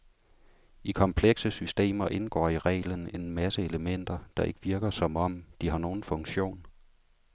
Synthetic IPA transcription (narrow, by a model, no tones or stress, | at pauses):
ikʰɒ̽mpʰleɡ̥səsysd̥e̝̰ːmɐʔe̝nɡ̥ɒ̰ːiʁɛ̰ɪlən̩e̝nmæsəe̝ləmen̰d̥ɐd̥ɑ̈ʔe̝ɡ̥əʋiɐɡ̥ɐsɒ̽mɒ̽m̰d̥iɦɑ̈no̝ːn̩fɔ̽ŋɕo̝̰ːn